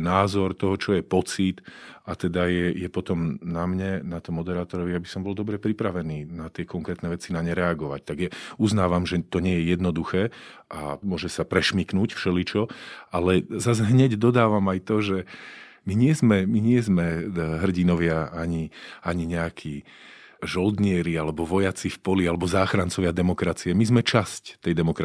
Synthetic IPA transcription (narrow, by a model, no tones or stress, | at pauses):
naːzɔɾt̪ɔɦɔt͡ʃɔjɛpɔt͡sit̪at̪ɛd̪ajɛjɛpɔt̪ɔmnamɲɛnat̪ɔmːɔd̪ɛɾaːt̪ɔɾɔʋijabisɔmbɔld̪ɔbɾɛpɾipɾaʋɛniːnat̪ɪɛkɔŋkɾɛːt̪nɛʋɛt͡sinaɲɛɾɛaɡɔʋact̪aɡjauznaːʋamʒɛt̪ɔɲɪɛjɛjɛd̪nɔd̪uxɛː | ʔamʊɔʒɛsapɾɛʃmiknuːcfʃɛlit͡ʃɔalɛzazɦɲɛɟd̪ɔd̪aːʋamajt̪ɔʒɛ | miɲɪɛzmɛmiɲɪɛzmɛɦr̩ɟinɔʋɪaaɲiaɲiɲɛakʰiː | ʒɔld̪ɲɪɛɾialɛbɔʋɔjat͡sifpɔlialɛbɔzaːxɾant͡sɔʋɪad̪ɛmɔkɾat͡siɛmizmɛt͡ʃasct̪ɛjd̪ɛmɔkɾa